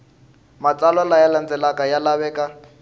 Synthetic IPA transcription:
mat͡sʼalɔlajaland͡zɛlakajalaβɛːkʼa

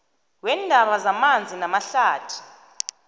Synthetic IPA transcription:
wɛndʱaɓazamand͡zʱinamaɬaːtʰu̥

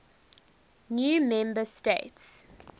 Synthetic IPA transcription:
njuːmɛ̃mbəstḛɪts

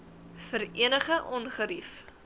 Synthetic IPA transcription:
fəɾiənəχəʔɔnχəɾif

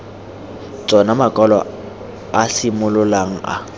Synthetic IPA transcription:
t͡sʼɔnamakʼɔlɔ̰ | asɪmʊlʊlaŋ̩a̰

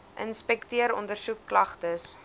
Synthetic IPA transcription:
ʔənspɛktiəɾɔ̰ndərsukːlɐχtəs

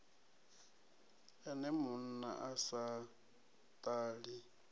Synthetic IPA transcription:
ɛnɛmʊn̩na̰ʔasa | tʼaːɺi

